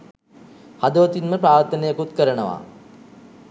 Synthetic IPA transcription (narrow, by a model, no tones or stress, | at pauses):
had̪əʋət̪inməpɾaːɾt̪ːənejəkut̪kəɾənəʋa̰